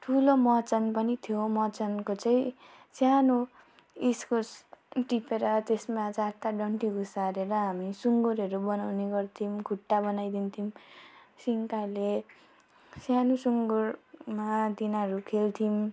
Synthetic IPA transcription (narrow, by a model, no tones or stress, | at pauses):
ʈʰulomʌt͡sʌnpʌnit̪ʰjomʌt͡sʌnkot͡saĩ | sjano | iskosʈipeɾʌt̪esmad͡zat̪aɖʌɳʈiɡusaɾeɾʌɦamisuŋɡuɾɦʌɾubʌnawneɡʌrt̪ʰimkuʈːabʌnajd̪int̪ʰimsiŋkale | sjanusuŋɡuɾmad̪inʌɾukʰelt̪ʰim